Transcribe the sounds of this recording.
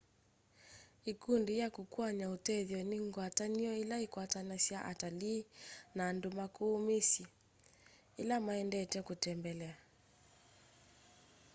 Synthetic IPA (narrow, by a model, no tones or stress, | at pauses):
ikundijakukuaɲautɛðjɔniŋɡwataɲiɔilaikwatanasjaʔataliːnaːndumakuːmisi | ilamaɛndɛtɛkutɛmbɛlɛa